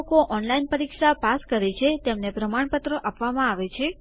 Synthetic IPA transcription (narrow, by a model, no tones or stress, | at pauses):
koʔɔnlainpəɾikʂapaskəɾet͡ʃʰet̪emnepɾəmaɳ̃pət̪ɾəʔapʋamãaʋet͡ʃʰe